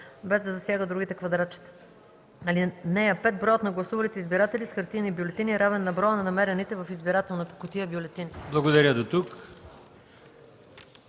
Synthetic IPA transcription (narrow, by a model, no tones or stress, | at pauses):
bɛzd̪ɐzɐsʲjaɡəd̪ɾuɡit̪ɛkvɐd̪ɾat̪t͡ʃi̥t̪ɛ̥ | ɐlinɛjɐpɛt̪̚bɾɔjot̪nɐɡlˠɐsuvɐlit̪ɛizbiɾat̪ɛlisxɐɾt̪inibjolɛt̪iniɾavɛnːɐbɾɔnɐnɐmɛɾɛnit̪ɛvɐfizbiɾat̪ɛlˠnot̪ɐ̥kʊt̪iəbjolɛt̪inblˠɐɡod̪ɐɾʲəd̪ot̪uk